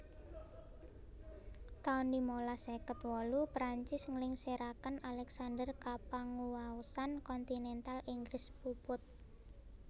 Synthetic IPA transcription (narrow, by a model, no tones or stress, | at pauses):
t̪aunimolasekət̪wɔlupɾaɲt͡ʃɪsŋlɪŋseɾakənalɛksandərkapaŋuwausankɔnt̪inɛnt̪aliŋɡɾɪspupʊt̪̚